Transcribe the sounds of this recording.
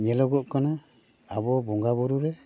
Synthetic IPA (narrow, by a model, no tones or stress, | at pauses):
ɲɛlɔɡɔʔkɔna | aβɔbɔŋɡaβɔɾuɾɛ